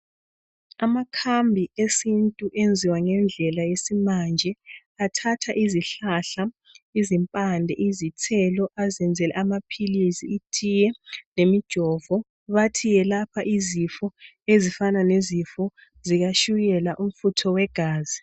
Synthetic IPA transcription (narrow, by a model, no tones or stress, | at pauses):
amakʰambʱiesintʼuʔend͡zʱiwaŋɛnd͡ɮʱɛlajesimand͡ʒʱɛ | atʰatʰaʔiziɬaɬa | izimpʼandʱɛʔizitʰɛlɔʔazɛnd͡zʱɛlɛ̰amapʰilisiːtʰijɛnemid̥ʒ̥ʱɔːvɔ | βatʰijɛlapʰaʔizifɔ | ezifananezifɔ | ziɣaʃujɛlaʔum̩futʰɔwɛɡ̥ʱaːzi